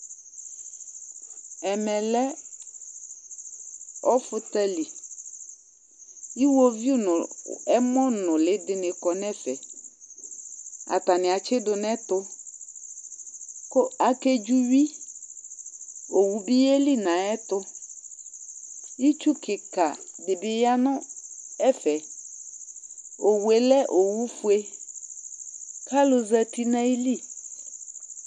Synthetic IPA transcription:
ɛ˨mɛ˨lɛ˦ | ɔ˦fʊ˦t̪ɛ˦li˨ | i˦wo˦vi˦ʊ˦nʊ˨ɛ˦mɔ̃˦nʊ̃˨lɪ˨dɪ˨nɪ̃˨kɔ˨nɛ̃˦fɛ˨ | a̰˨t̪a˨nɪ̃˨a˨t͡ʃɪ˦dʊ˨nɛ̃˦t̪ʊ˦ | kʊ˦a˨ke˦d͡ʒu˦ɥi˦ | o˨wu˦bi˦e˦li˦nã˨ɛ˦t̪ʊ˦ | i˦t͡ʃu˦kɪ˨ka˨dɪ˨bɪ˨ja˦nʊ̃˦ɛ˦fɛ˨ | o˨wu˨e˨lɛ˦ʔo˨wu˦fu˦e˦ | ka˦lʊ˨zɛ˦ti˦nã˦i˦li˦˨

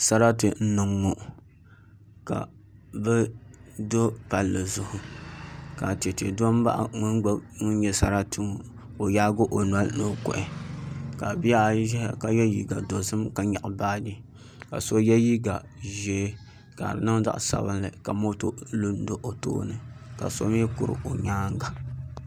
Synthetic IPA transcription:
sa˦ɾa˦tɨ˨n̩˦nɨ˨ŋːo˨ʔ | ka̰˨ | bɛ˦do˦pa˨lːɨ˨zʊ˦hʊ˨ | ka˨ti˨e˨te˨do˦m˦ba̰˦ʔŋʊ˦nɡ͡ba˦ŋʊ˦n˦ɲɛ˦sa̰˦ɾa˦tɨ˨ŋo˨ | ko˨jaː˦ɡo˦ʔo˨nwa˦lno˨˦kʊ̰˨ʔɪ˨ka˨bi˦ja˦˨ʒɛ˦hka˨jɛ˦ji˨ɡa˨do˨sɨ˦mka˨ɲa˨ʔbaː˦di˦ | ka̰˨so˦jɛ˦ji˦ɡa˨ | ʒɛ˦ | ka̰˨ɾɨ˨nɨ˦ŋ˦za̰˦ʔsa̰˨bɨ˦nlɨ˨ka˨mo˦to˦lu˦n˦do˦ʔo˨to̰ː˦nɨ˨ka̰˨so̰˦m˦ɛ˦kʊ˨ɾɨ̰˨ʔo˨ɲaː˦ŋ˦ɡa˨

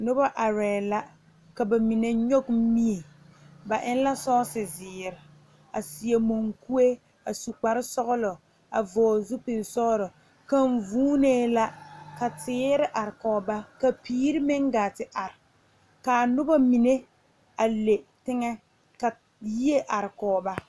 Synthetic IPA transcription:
nʊ˦ba˦ʔa˨ɾɛː˨la˦ | ka˨ba˨mi˨ne˦ɲo˦km̩˦mi˦e˨ | ba˨ʔɪ˦n˦la˦sɔː˦sɪ˨zɪː˨ɾɪ˨ | a˨si˨e˨mo˨ŋku˦e˦ | a̰˨su˨k͡pa˨ɾɪ˦sɔ˦ɣʊ˦lɔ˨ | a̰˨vɔː˨zʊ˦pɪ˨n˨sɔ˦ɾɔ˨ | ka˦ɱ˦vuː˦neː˦la˦ka˨tɪː˨˦ɾɪ˦ʔa˨ɾɪ˨kɔː˨ba˦ka˨piː˦ɾɪ˦mɪ˦ŋɡaː˨tɪ˨ʔa˨ɾɪ˨ | ka˨nʊ˦ba˦mi˨ne˦ | a˨le˨tɪ˦ŋɛ˦ | ka˨ | ji˦e˦ʔa˨ɾɪ˨kɔː˨ba˦

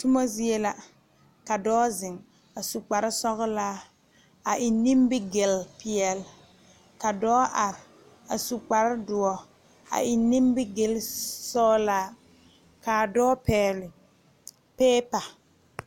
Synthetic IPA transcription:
tʊ˦mɔ˦zi˦ɛ˦la˨ | ka˨dɔː˦zɪ˨ŋ | a˨su˨k͡pa˨ɾɪ˦sɔ˦ɣʊ˦laː˦ | a˨ʔɪ˨nːi˦mbɪ˦ɡɪ˨lpɪ˨ɛ˨l | ka˨dɔː˦ʔa˨ɾɪ˨ | a̰˨su˨k͡pa˨ɾɪ˦dʊ˨ɔ˨ | a̰˨ʔɪ˨nːi˦mbɪ˦ɡɪ˦lsɔː˦laː˦ | ka˨dɔː˦pɛː˨lɪ˨ | pɛː˦pa˨

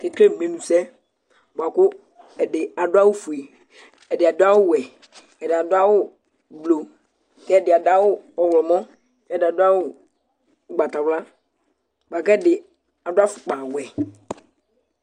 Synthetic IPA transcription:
kɛ˦kle˦˨mẽ˨nũ˨sɛ˦ | bwa˨kʊ˦ | ɛ˨dɪ˨a˨dʊ˦a˦wʊ˦fu˨e˨ | ɛ˨dɪ˨a˨dʊ˦a˦wʊ˦˨wɛ˨ | ɛ˨dɪ˨a˨dʊ˦a˦wʊ˦ | blo˨ | kɛ˦ɛ˦˨dɪ˨a˨da˦wʊ˦ɔ˨wlɔ˨mɔ̃˦ | kɛ˦dɪ˨a˨dʊ˦a˦wʊ˦˨ | ɡ͡ba˨ta˨wla˦ | bʷa˨kɛ˦dɪ˨ | a˨dʊ˦a˦fʊ̥˨k͡pã˨wɛ˨

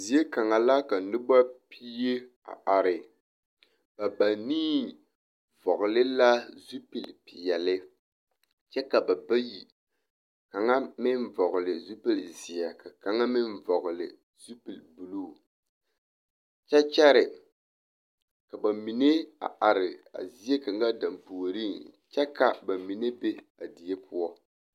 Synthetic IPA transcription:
zi˨e˦ka˨ŋa˨la˦ka˨nɨ˦ba˦pʰi˦je˦ | a̰˨ʔa˨ɾɪ˨ | ba˨ba˨niː˦ | vɔ˨ɣʊ˨lɪ˦la˦zu˦pi˨lpi˨jɛ˨lɪ˦ | t͡ʃɛ˦ka˨ba˨ba˦ji˨ | ka˨ŋa˦mɪ˦nvɔ˨ɣʊ˨lɪ˨zu˦pi˦lzi˨a˨ka˨ka˨ŋa˦mɪ˦nvɔ˨ɣʊ˨lɪ̰˨ | zu˦pi˨lbu˨lu˦˨ | t͡ʃɛ˦t͡ʃɛ˦ɾɪ˨ | ka˨ba˨mi˨ne˦a̰˨ʔa˨ɾɪ˨a̰˨zi˦je˦ka˨ŋɡa˦da˨mpoː˨ɾi˦˨nt͡ʃɛ˦ka˨ba˨mi˨ne˦be˦ | a˨di˨je˦pʰʊ˦ɔ˦

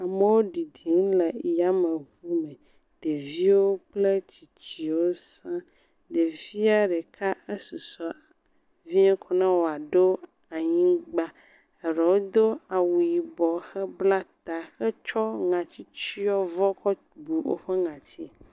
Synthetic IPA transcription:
a˨me˦wo˦ɖi˨di˨˦n˦lɛ˨ja˨˦mẽ˨vu˦mɛ̃˨ | ɖ̥e˨vi˦wo˦k͡ple˦t͡ɕi˨t͡ɕi˨wo˦sã˦ | ɖe˨vi˦a˦ɖe˨kʰa˦e˦su˨sɔ˨ | vi˦ɲɛ̃˦kʰɔ˨nã˦wo˨a˨ɖo˦ | a˨ɲĩ˦ɡ͡ba˦ | e˨ɾɛ˨wo˦d̪o˦a˨wu˨i˨bɔ˨xɛ˦bla˦t̪a˨xɛ˦t͡ʃɔ˦ŋã˨t͡ɕi˦t͡ɕi˦ɔ˦vɔ˦kɔ˦ | bu˨wo̰˦ɸɛ˦ŋã˨t͡ɕi˦˨

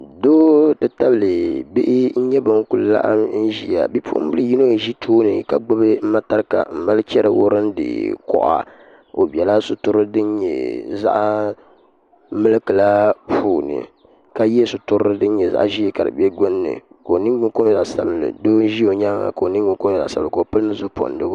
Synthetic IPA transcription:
doː˦tɨ˦ta˦blɨ˨be˦ʔɪ˦n̩˦ɲɛ˦bo˨˦ŋ˦ku˨lla̰˦ʔa̰˦mn̩˦ʒi˨a̰˨bi˦pʰṵ˦ʔʊ˦m˦bɨ˦ɨ˦ji˦no˦˨ʒi˦tʰoː˦nɨ˨ka̰˨ɡ͡bʊ˦bɨ˦m̩˦ma˦ta˦ɾɨ˦ka̰˨m̩˨ma˦lɨ˦t͡ʃɛ˦ɾɨ˨wo˦ɾɨ˦n˦dɨ̰˨kɔ̰˦ʔa̰˨ | o˨bi˨ɛ˨la˦sʊ˨tʊ˦ɾɨ˦dɨ˦n˦ɲɛ̰˨za̰˦ʔ | mɨ˦lɨ˦kɨ˨la˦pʰuː˦˨nɨ̰˨ | ka˦jɛ˦sʊ˨tʊ˦ɾɨ˦ɨ˦dɨ˦n̩˦ɲɛ˨za̰˦ʔʒi˦ka˨dɨ̰˨bɛ˦ɡʊ˦nːɨ̰˨ko˨nɨ˦ŋ˦ɡ͡bʊ˦nko˦m˦za˨sa˨bɨ˨lɨ̰˨do˦n˦ʒi˦o˨ɲa˦ŋa̰˨ko˨o˨nɨ˦ɡ͡bʊ˨˦ŋko˦m˦˨za̰˨sa˨bko˨o˨pɨ˦lɨ˦nɨ˦zʊ˦po̰˨n˨dɨ˦

